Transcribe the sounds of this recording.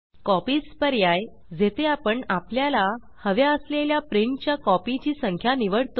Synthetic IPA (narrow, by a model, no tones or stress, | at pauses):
kɔpiːt͡spəɾjaj | d͡zet̪ʰeapəɳapljala | həʋeəsleljapɾeŋkt͡ɕjakɔpit͡ɕiːsəŋkʰjaniʋəɽt̪o